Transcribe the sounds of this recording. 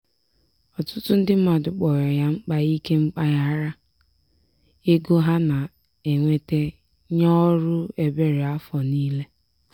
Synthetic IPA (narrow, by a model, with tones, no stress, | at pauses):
ɔ˨tʊ˦tʊ˦n̩˦dɪ˦m̩˦ma˨dʊ˨k͡pɔ˨ɾɔ˨ja˦ŋ͡m̩˦k͡pa˨i˦ke˦ŋ͡m̩˦k͡pa˦ja˦ɾa˦ | e˦ɡo˦ɦa˦na˨ | e˨ŋʷe˦te˦ | ɲɔ˦ɾʊ˦e˨be˦ɾe˨a˦fɔ˨niː˦le˦